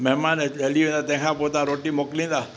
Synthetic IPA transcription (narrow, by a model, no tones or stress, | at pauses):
mɛɦmaneeliʋɛ̃nd̪at̪ɛ̃kʰãpot̪ãɾoʈimoklĩnd̪a